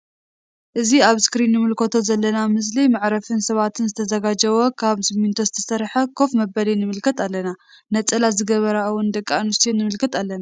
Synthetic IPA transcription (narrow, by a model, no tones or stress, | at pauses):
ʔɨziaβskɾinːɨmɨlkʰot̪ʰo̞zɐlːɐnamɨs̬limaʕɾɐfɨnsɐβat̪ʰɨnzɨt̪ʰɐzɐɡad͡ʒɐwɔkʰaβsɨmint̪ʰozɨt̪ʰɐsɐɾħɐkʰo̞fmɐbɐlinɨmɨlkʰɐt̪alːɐna | nɐt͡sʼɐlazɨɡɐβɐɾawʊnd̪ɐkʼːanust̪ʰinːɨmɨlkʰɐt̪alːɐna